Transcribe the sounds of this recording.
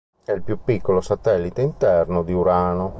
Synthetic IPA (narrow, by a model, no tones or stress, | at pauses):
ɛilpjupːikːolosat̪ɛlːit̪eint̪ɛrnod̪iuɾaːno